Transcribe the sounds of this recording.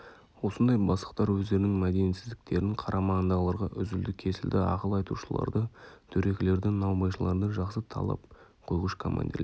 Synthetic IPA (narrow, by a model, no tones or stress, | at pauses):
wo̞sənd̪ɑjbɑslˠə̥qt̪ɑɾwɵzd̪e̞ɾɪnɪŋmæd̪e̞nesɪzd̪ɪk̚t̪e̞ɾɪɴqʰɑɾʔɑmɑnd̪ɑlˠɑɾʁɑʔʏzʏld̪ɪkʲʰe̞sɪld̪ɪɑ̰qəlˠɑjt̪uʃəlˠɑ̰ɾd̪ət̪ʰɵɾe̞kʲɪle̞ɾd̪ɪnɑwmɑjʃəlˠɑ̰ɾd̪ɑʒɑqsət̪ʰɑ̰lˠɑ̰p̚qʰo̞jʁəʃkʰoma̰nd̪ʲḭɾle